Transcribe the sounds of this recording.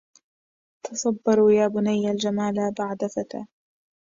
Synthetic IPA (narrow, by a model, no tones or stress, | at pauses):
t̪ʰɑsˤɑbːɑɾˤujaːbʊnajːald͡ʒamaːlabaʕd̪afat̪a̰ː